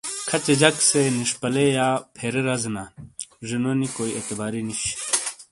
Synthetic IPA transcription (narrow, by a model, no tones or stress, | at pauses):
kʰɐt͡ɕed͡ʑɐkseniʂpɐlejaːpʰeːɾeɾɐznaʐinonikoːiet̪ɐbaːɾiniɕ